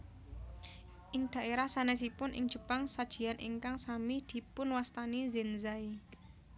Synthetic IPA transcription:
ʔɪŋd̪̥a̤ʔeɾahsanɛs̬ipʊnʔɪ̰ŋ̥ʒ̥ə̤paŋsad̥ʒ̥i̤anʔḭŋkaŋsamid̪̥i̤pʊnwast̪anizenzai

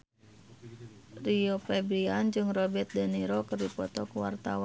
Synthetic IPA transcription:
riɔpɛbɾiand͡ʒɨŋrɔbɛt̪̚daniɾɔkɨrdipɔt̪ɔkuwa̰rt̪a̰wa

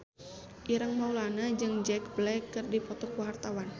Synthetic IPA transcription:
ʔiɾəŋmaulanad͡ʒɨŋd͡ʒɛk̚blɛkːɨrdipɔt̪ɔkwart̪awan

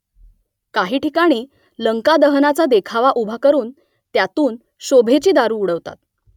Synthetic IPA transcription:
kaɦiːʈikaɽ̃iː | ləŋkad̪əɦnat͡sad̪ekʰaʋaʔubʱakəɾuːn | t̪jat̪uːn | ɕobʱet͡ɕiːd̪aɾuːuɽəʋt̪a̰t̪̚

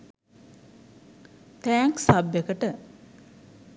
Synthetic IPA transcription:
t̪æːŋksabːekəʈə

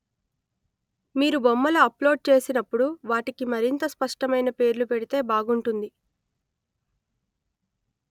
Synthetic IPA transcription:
miːɾubɔmːɐlɐɐplo̞ːɖ̚t͡ʃe̞ːsinɐpːuɽuʋaːʈikimɐɾint̪ɐspɐʂʈɐmɐjnɐpe̞ːɾlupeɽit̪e̞ːbaːɡuɳʈund̪i

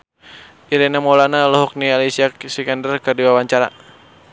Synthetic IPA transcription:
ʔiɾɛnamɔlanalɔɦɔk̚nialisiaksikandərkɨrdiwawaɲt͡ʃaɾa̰

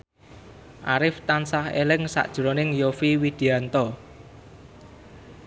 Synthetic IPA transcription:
ʔaɾɪft̪ansahḛlɪŋsa̰ʔd̥ʒ̥əɾonɪŋjofiwid̪̥i̤ant̪ɔ

